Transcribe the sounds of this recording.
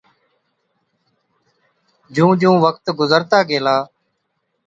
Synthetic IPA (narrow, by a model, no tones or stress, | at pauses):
d͡ʒũːd͡ʒũːʋək̚t̪ɡʊzəɾt̪aːɡeːlaː